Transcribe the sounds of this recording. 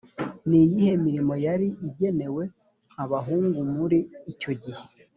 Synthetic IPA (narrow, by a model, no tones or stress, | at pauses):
nijihe̞miɾimo̞jaɾiʔiɟe̞ne̞we̞ | aβaɦuːŋɡumuɾiːco̞ɟihe